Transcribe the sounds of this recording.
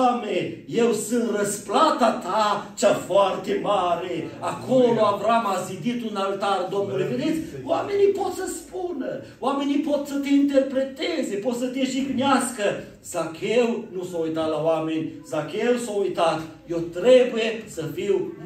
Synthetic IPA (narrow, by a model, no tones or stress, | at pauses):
meje̞wsɨnt̪rəsplat̪at̪at͡ʃafoart̪e̞maɾeakʰo̞lo̞avɾamazid̪it̪unalt̪ard̪o̞mnuleved̪it̪sʲwame̞nipo̞t̪səspunə | oame̞nipo̞t̪sət̪e̞int̪e̞rpɾe̞t̪eze̞po̞t̪sət̪eʃikneaskə | z̥akewnusoujt̪at̪lawame̞nʲzakewsaujt̪at̪ | je̞wt̪ɾe̞buje̞səfiw